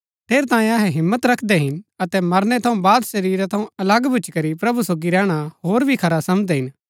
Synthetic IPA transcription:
t̪ʰeːɾt̪ãːẽɐɦɛɦɪmːət̪ɾɐkʰd̪ɛɦɪnɐt̪ɛmɐɾnɛt̪ʰɐũbaːd̪sɐɾiːɾat̪ʰɐũɐlɐɡbʱʊt͡ʃkɐɾipɾɐbusoːɡiɾɛːɽ̃aɦoːɾbʱikʰɐɾasɐmd̪ɛɦɪn

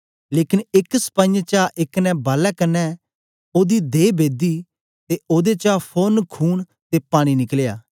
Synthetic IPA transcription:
leːkɪnɪksə̥pãjt͡ʃaːʔɪknɛ̃ːbaːlɛːkənːɛː | oːd̪iːd̪eːbʱeːd̪iː | t̪eoːd̪et͡ʃaːpʰoːnkʰuːɳ | t̪eːpaːɽ̃inɪklja̰ː

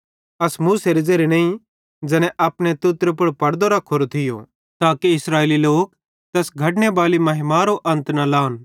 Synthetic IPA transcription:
ɐsmuːseɾɪd͡zeɾenɐ̃ːĩ | d͡ʒɛnɛ̃ʔɐpɽ̃et̪ʊt̪ɾepʊɽpɐɽd̪oɾɐkʰːoɾot̪ʰɪjo̰ | t̪aːkiɪsɾaːeːliloːk̚ | t̪ɛːsɡʱɐʈnebaːlimɐɦɪmaɾoʔɐ̃nt̪nalaːn

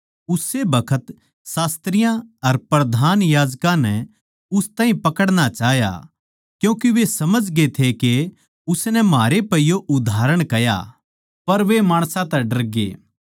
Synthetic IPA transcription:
ʊsebɐkʰət̪ | saːst̪ɾɪjãɐɾpɾɐd̪ʱaːnjaːd͡ʒkãnɛ | ʊst̪ãːɦĩpɐkəɽñat͡ʃaːɦja̰ | kjũːkiʋesɐməd͡ʒɡet̪ʰeke | ʊsnɛmɦaːɾepɐijoʔʊd̪ʱaːɾəɽ̃kɐja̰ | pɐɾʋemaːɽ̃sãt̪ɛɖɐɾɡḛː

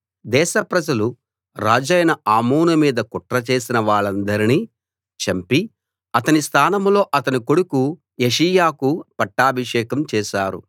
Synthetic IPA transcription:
d̪ɛːʃɐpɾɐd͡ʒɐlu | ɾaːd͡ʒɐːjnɐʔaːmoːnumiːd̪ɐkɔʈɾɐt͡ʃeːsinɐʋaːɭɐnd̪ɐɾiniː | t͡ʃɐmpi | ɐt̪ɐnist̪ʰaːnɐmlo̞ːʔɐt̪ɐniko̞ɽuku | jeʂijaːkupɐʈːaːbʱɐʂɛːkɐmt͡ʃɛːʃaːɾṵ

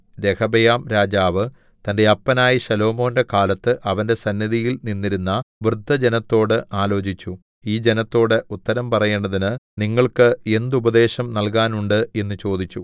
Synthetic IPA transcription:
ɾe̞kʰɐbɐjaːmɾaːd͡ʑaːʋɨ | t̪ɐnde̞ɐpːɐnaːjiɕɐlo̞ːmo̞ːnde̞kaːlɐt̪ːɨʔɐʋɐnde̞sɐnːjɐðijilninːiɾunːɐʋrɨd̪ʱːɐd͡ʑe̞nɐt̪ːo̞ːɽɨʔaːlo̞ːt͡ɕit͡ɕːu | iːd͡ʑe̞nɐt̪ːo̞ːɽeut̪ːɐɾɐmpɐrɐje̞ːɳɖɐðinɨniŋːɐɭkɨe̞nd̪ubɐd̪e̞ːɕɐmnɐlkaːnuɳɖɨe̞nːɨt͡ɕo̞ːd̪it͡ɕːu

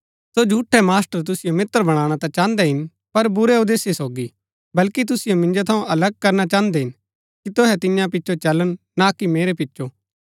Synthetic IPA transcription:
sod͡ʒʱuːʈʰːɛmaːsʈəɾt̪̬ʊsɪjomɪt̪ːəɾbɐɽ̃aːɽ̃at̪ãt͡ʃãːə̃nd̪ɛɦɪn | pɐɾbʊɾɛod̪eːsesoːɡi | bɐlkit̪̬ʊsɪjomɪ̃nd͡ʒot̪ʰɐũʔɐləɡ̚kɐɾnat͡ʃãːnd̪ɛɦɪn | kit̪ʊɦɛt̪ɪ̃jãpɪtːʃot͡ʃɐləɽ̃ | nakimeːɾepɪt͡ʃːʃo

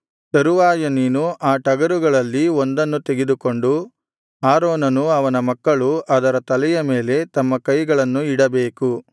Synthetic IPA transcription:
t̪ɐɾuʋaːjɐninuʔaːʈɐɡɐɾuɡɐɭɐlːiond̪ɐnːut̪e̞ɡed̪uko̞ɳɖu | aːɾoːnɐnuɐʋɐnɐmɐkːɐɭuʔɐd̪ɐɾɐt̪ɐlɛjɐme̞ːle̞t̪ɐmːɐkɐjɡɐɭɐnːuiɽɐbeːku

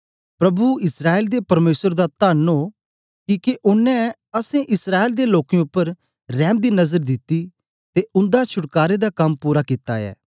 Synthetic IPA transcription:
pɾɐbuɪsɾaːeld̪epɐɾmeːsəɾd̪at̪aːnoː | kiːkeʔʊnːɛ̃ | ɐsẽʔɪsɾaːeld̪eloːkẽʊpːəɾ | ɾɛːmd̪iːnɐzəɾd̪ɪt̪ːiː | t̪eʔʊ̃nd̪at͡ʃʰʊʈkaːɾed̪akɐmpuːɾakɪt̪a̰ɛ̰ː

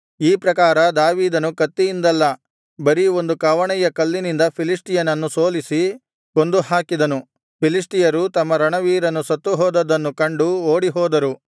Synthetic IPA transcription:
iːpɾɐkaːɾɐd̪aːʋiːd̪ɐnukɐt̪ːijind̪ɐlːɐ | bɐɾio̞nd̪ukɐʋɐɳɛjɐkɐlːinind̪ɐpʰilisʈijɐnɐnːusoːlisi | ko̞nd̪uhaːkid̪ɐnu | pʰilis̬ʈijɐɾut̪ɐmːɐɾɐɳɐʋiːɾɐnːusɐt̪ːuɦɔːd̪ɐd̪ɐnːukɐɳɖuoːɽiɦɔːd̪ɐɾu

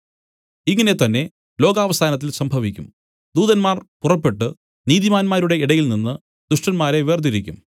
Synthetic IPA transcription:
iŋːɐne̞t̪ɐnːe̞ | lo̞ːɡaːʋɐsʰaːnɐt̪̬ːilsɐmbʱɐʋikʲːum | d̪uːðɐnmaːrpurɐpːe̞ʈːɨ | niːðimaːnmaːɾuɽe̞iɽɐjilninːɨ | d̪uʂʈɐnmaːɾe̞ʋeːrd̪iɾikʲːum

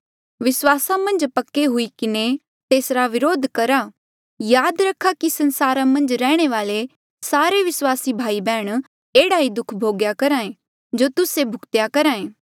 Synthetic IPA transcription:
ʋɪswaːsãmɐ̃nd͡ʒpɐkːeɦʊikɪne | t̪eːsɾaʋɪɾoːd̪ʱkɐɾa | jaːd̪ɾɐkʰːakisɐnsaːɾãmɐ̃nd͡ʒɾɛːɽ̃eʋaːle | saːɾeʋɪswaːsibʱaːibɛːɽ̃ | eːɽaːid̪ʊkʰbʱoːɡjakɐɾaːẽ | d͡ʒoːt̪ʊsebʱʊkt̪jakɐɾaːẽː

